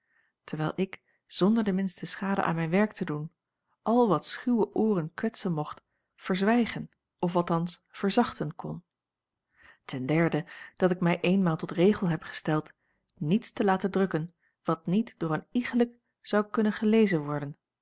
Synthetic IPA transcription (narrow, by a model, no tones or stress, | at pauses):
təɹʋɛjlˠʔɪk | z̥ɔndəɹdəmɪnstəsχaːdəʔa̰ːnmɛjnʋɛɹk̚tədun | ʔɑlˠʋɑtsχywəʔʊːrənkʋɛtsənmɔχt | fəɹzʋɛjχən | ɔfɑlˠtɑnsfəɹzɑχtənkʰɔn | tɛndɛɹdəd̥ɑtɪkmɛjʔejnmaːlˠtɔtrejχəlˠɦɛpχə̥stɛlˠt | nitstəlaːtəndrɵkən | ʋɑtnitdʊːɹəniχələk | z̥ɑwkɵnənχəlejzənʋɔɹdən